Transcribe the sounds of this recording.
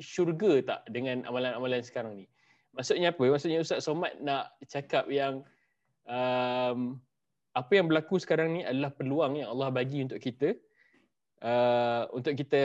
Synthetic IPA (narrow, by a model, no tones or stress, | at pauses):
ʃurɡət̪a̰ʔdəŋãna̰malanamalansə̥kaɾaŋni | maʔsʊt̪̚ɲaːpəmaʔsut̪ʔ̚ɲausaʔ̪somat̪̚naʔt͡ʃakap̚jaŋ | əm | apəjaŋbəlakusə̥kaɾaŋniadalahpərluaŋjaŋɑlːɑhbaɡiunt̪ʊʔkit̪ə | ʔəunt̪ʊʔkit̪ə